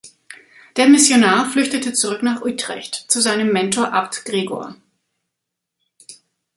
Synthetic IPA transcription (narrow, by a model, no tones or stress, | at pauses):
d̥eːɐmɪsjonaːɐflʏçtətət͡suʁʏknaːχʔuːtʁ̥ɛ̰çtt͡suzaɪnəmːɛntoːɐʔap̚tɡ̥ʁeːɡo̰ːɐ